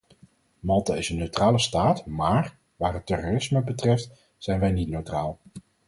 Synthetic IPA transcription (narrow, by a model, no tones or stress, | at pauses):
mɑlˠtaːɪsənːøɥtraːləstaːtmaːr | ʋaːɦətːɛroːrɪsməbətrɛft | z̥ɛjnʋɛjnitnøɥtraːlˠ